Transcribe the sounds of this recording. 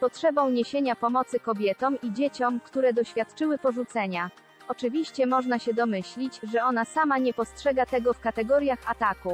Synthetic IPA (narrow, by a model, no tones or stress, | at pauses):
pɔtʂɛbɔ̃w̃ɲeɕeɲapɔmɔt̪sɘkɔbʲjɛt̪ɔmid͡ʑet͡ɕɔmkt̪uɾɛd̪ɔɕfʲjat̪t͡ʂɘwɘpɔʐut̪sɛɲa | ɔt͡ʂɘvʲiɕt͡ɕɛmɔʐnaɕɛd̪ɔmɘɕlʲid͡ʑʐɛɔnasamaɲɛpɔstʂɛɡat̪ɛɡɔfkat̪ɛɡɔɾʲjaxat̪aku